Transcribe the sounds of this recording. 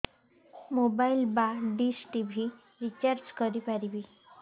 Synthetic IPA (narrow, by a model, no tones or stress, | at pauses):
mobailbaɖisʈibʱi | ɾit͡ɕaɾd͡ʑkəɾipaɾibi